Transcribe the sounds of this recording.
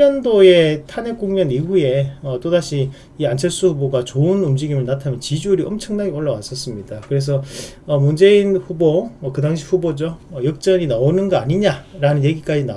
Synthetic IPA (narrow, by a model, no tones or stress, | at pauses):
ʌndoe̞tʰanek͈uŋɲʌniɦue̞ʌt͈odaɕʰiː | ant͡ɕʰeɭs͈uɸuboɡat͡ɕoɯnumd͡ʑiɡimɯɭnatʰamjʌnt͡ɕid͡ʑuɾiʌmt͡ɕʰʌŋnaɡioɭːawas͈ʌs͈ɯmɲid̥akɯɾe̞s̬ʰʌʌmund͡ʑe̞inɸubokɯdaŋɕ̬ʰiɸubod͡ʑoʌjʌk̚t͡ɕ͈ʌɲinaonɯnɡʌaɲiɲaɾanɯnje̞ɡik͈ad͡ʑina